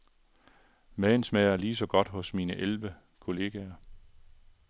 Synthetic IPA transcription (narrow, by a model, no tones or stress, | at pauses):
mɛːn̩smæɪɐliːsɒ̽ɡ̥ɒ̽d̥ɦɔ̽smiːnəʔelʋə | kʰo̝le̝ːɡ̥æɐ